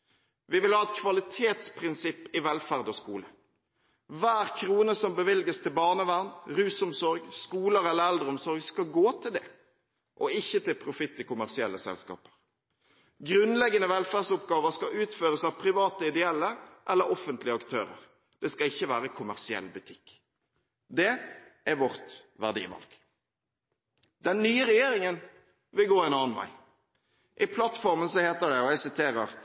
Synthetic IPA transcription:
ʋɪʋɪlhɑːɛt̪̚kʰʋɑlɪt̪ʰeːt̪spʰʁɪnsɪpːɪʋɛlfæʁd̪ɔskuːlə | ʋæːʁkʰʁuːnəsɔmbəʋɪlɡəst̪ʰɪlbɑːʁnəʋæʁnʁʉːsʊmsɔɾɡskuːləɾɛlːəɾɛld̪ʁəɔmsɔʁɡskɑɡoːt̪ʰɪld̪ɛ | ʔɔɪçːət̪ɪlpʰɾʊfɪt̪ːɪkʊmæʁsɪɛ̰lːəsɛ̰lskɑ̰ːpə̥ʁ | ɡɾʉnlɛɡːənəʋɛlfæːsʊpɡɑːʋəʁskɑʉːt̪føːʁəsɑʋpʰɾɪʋɑːt̪əɪd̪ɛɛlːəʔɛlːəɾɔfənt̪lɪəɑkt̪ʰøːɾə̰ɾ | d̪̥ɛskɑɪçːəʋæːɾəkʰʊmæʁsɪɛ̰lbʉt̪ʰɪkː | d̪ɛʔæɾʋɔʁt̪ʋæʁd̪ḭːʋɑ̰lɡ̥ | d̪̥ɛnːyːəɾɛjeːɾɪŋən | ʋɪlɡoːɛnɑːnʋæ̰ɪ | ʔɪpʰlɑt̪fɔʁmənsɔheːt̪əɖ̪ɛɔjæsɪt̪ʰeːɾəɾ

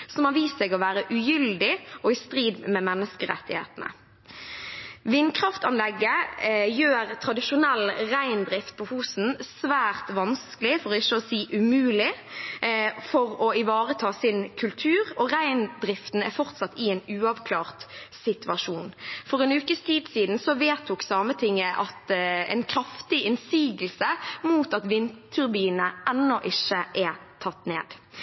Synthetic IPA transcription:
sɔmhɑʋiːssɛːɡɔʋæːʁəʔʉjʏld̪ɪɔɪst̪ɾiːd̪mɛmɛnːəskəɾɛ̰t̪ːɪhḛːt̪ən̩ə̰ | ʋɪnkʰʁɑft̪ɑnlɛɡːəjøːʁt̪ʰɾɑd̪ɪʃʊnɛlːʁæɪnd̪ɾɪft̪̚pʰɔfuːsn̩sʋæːʁt̪ʋɑnskəlɪfɔʁɔɪʃːəɔsiːʔʉmʉːlɪ | fɔʁɔɪʋɑːʁət̪ʰɑːsɪnkʰʉlt̪ʰʉːʁɔʁæɪnd̪ɾɪft̪n̩æɾfɔʁt̪sɑt̪ːɪɛnʉːɑʋkʰlɑːʁt̪sɪt̪ʉɑʃuːnfɔʁɛnʉːkəst̪ʰiːd̪siːd̪n̩sɔʋeːt̪ʰuːksɑːmət̪ʰɪŋːəʔɑ̰t̪ɛ̰ɪnkʰɾɑft̪ɪʔɪnsiːɡəlsəmuːt̪ɑt̪ʋɪnt̪t̪ʰʉɾbiːnəɛnːɔʔɪʃəʔɛt̪ʰɑt̪ːnḛːd̪̥

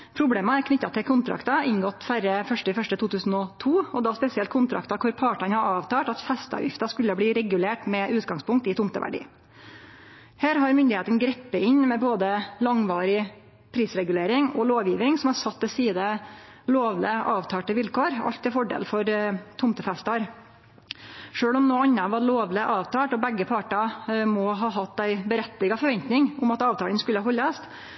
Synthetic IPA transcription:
pʰɾʊbleːməæɾkʰnʏt̪ːɑt̪ʰɪlkʰʊnt̪ʰɾɑ̰kt̪ɑɪnɡɔt̪ːfæɾəfœʂʈəɪfœʂʈət̪ʰuːt̪ʰʉːsn̩ɔt̪ʰuːɔd̪ɑːspɛsɪɛlt̪kʰʊnt̪ʰɾɑ̰kt̪ɑkʰʊɾpʰɑːʈɑnhɑɾɑːʋt̪ʰɑːʈɑt̪fɛst̪əɑ̰ʋjɪ̰ft̪ɑskʉlːəbliːɾɛɡʉleːʈmɛʔʉːt̪ɡɑŋspʰʊŋkt̪ɪt̪ʊmt̪əʋæ̰ɖḭː | hæːɾɦɑɾmʏnd̪ɪheːt̪ənɡɾɛpːəɪɲmɛboːd̪əlɑŋʋɑːɾɪ | pʰɾiːsɾɛɡʉleːɾɪŋɔloːʋjiːʋɾɪŋsɔmhɑɾsɑt̪ːɛsiːd̪ə | loːʋləʔɑːʋt̪ʰɑːʈəʋɪlkoːɾɑ̰ʎt̪ʰːɪlfɔɖḛːlfɔɾt̪ʰʊmt̪əfɛst̪ɑɾ | ʂøːɭɔmnoːɑnːɑʋɑɾloːʋləʔɑːʋt̪ʰɑːʈɔbɛɡːəpʰɑʈɑmɔɦɑːɦɑt̪ːæɪbəɾɛt̪ːɪɡɑfɔɾʋɛnt̪nɪŋʊmɑt̪ɑːʋt̪ʰɑːlənskʉlːəhɑːɦɔlːɑst̪

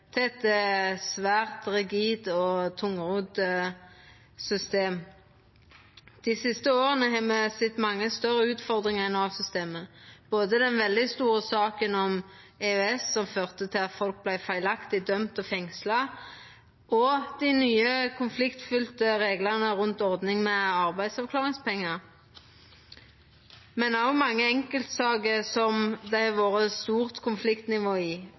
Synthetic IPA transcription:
t̪ʰɛɛt̪sʋæːʁt̪ʁɪɡiːd̪ɔt̪ʰʊŋəʁuːd̪ | sʏst̪eːm | d̪̥ɪsɪst̪əoːʁənəɦɛmɛsɪt̪mɑŋːəst̪œɾəʉːt̪fɔʁd̪ʁɪŋɛnɑlsʏst̪eːməb̥oːd̪əd̪ɛnʋɛld̪ɪst̪uːʁəsɑːkənɔm | ɛœɛsːɔmføːʁt̪ət̪ʰɪlɑt̪fɔlk̚blæɪfæɪlɑkt̪ɪd̪œmt̪ɔfɛŋslɑ | ʔɔd̪̥ɪnyːəkʰʊnflɪkt̪fʏlt̪əʁeːɡləʁnəʁʉnt̪ɔʁd̪nɪŋmɛɑʁbæɪd̪sɔʋklɑːʁɪŋspʰɛŋːəʁ | mɛnɑʊmɑŋːəɛŋkəlt̪sɑːɡəsɔmd̪æɪʋoːʁəst̪uːʁt̪kʰʊnflɪkt̪nɪʋoːɪː

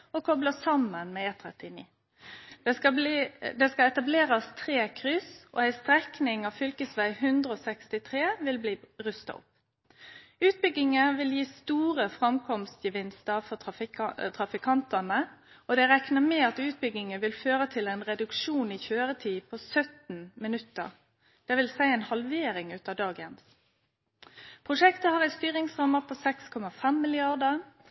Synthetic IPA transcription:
ɔkʰɔbləsɑmːənmɛeːt̪ʰɾɛt̪ɪnḭː | ɛɑd̪ɛskɑɛt̪ɑbleːɾɑst̪ʰɾeːkʰʁʏsʔɔ̰æɪst̪ɾɛknɪŋɑʋfʏlkəsʋæɪhʉnd̪ʁəɔsɛkst̪ɪt̪ʰʁeːʋɪlbliːʁʉst̪ɑ̰ʊ̰p | ʉːt̪̚bʏɡɪŋəʋɪljiːst̪uːʁəfʁɑmkʰɔmst̪jəʋɪnst̪əʁfɔ | t̪ʰʁɑfɪkʰɑnt̪ənə | ɔd̪ɛʁɛknəmɛɑt̪ʉːt̪̚bʏɡɪŋəʋɪlføːʁət̪ʰɪlɛɪnʁɛd̪ʉkʃuːniːçøːʁət̪ʰiːpʰɔsœt̪nmɪnʉt̪ə̰ʁ | d̪̥ɛʋɪlsæɪɛnhɑlʋeːɾɪŋʉːt̪ɑd̪ɑːɡəns | pʰʁʊʂɛkt̪əhɑːʁæɪst̪yːʁɪŋsʁɑməpʰoːsɛkskʰɔmɑfɛmːɪlɪɑʁd̪ə

